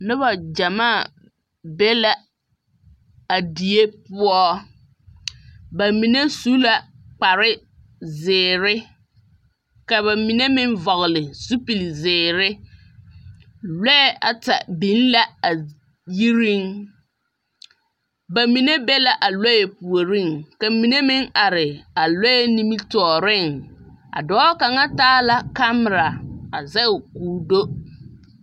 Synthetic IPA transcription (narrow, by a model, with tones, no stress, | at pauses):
nʊ˦βa˨d͡ʒa˨maː˦˨ | be˦la˨ | a˨di˨e˦pʊ˦ɔ˦ | ba˨mi˨ne˦su˦la˨ | k͡pa˨ɾɪ˦ | zɪː˨ɾɪ˦ | ka˨βa˨mi˨ne˦mɪ˦n˦vɔ˨ɣɪ˨lɪ˨su˦pi˨lzɪː˨ɾɪ˦ | lɛ˦ɛ˦a̰˨ta̰˨bi˨˦n˦la˦a˨ | ji˦ɾi˦ŋ | ba˨mi˨ne˦bɛ˦la˨ʔa˨lɔ˦jɛ˨pu˨o˨ɾi˦˨ŋka˨mi˨ne˦mɪ˦ŋʔa˨ɾɪ˨a˨lɔ˦jɛ˦ni˦mi˦tɔː˨ɾɪ˦˨ŋa̰˨dɔː˨˦ka˨ŋa˦taː˦la˨ka˦m˨ɾa˨a˨zɛ˦ʊ˨kuː˨do˦